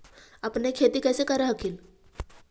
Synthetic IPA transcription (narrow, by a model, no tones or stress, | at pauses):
apnekʰet̪iːkəjsekəɾəɦəkʰiːl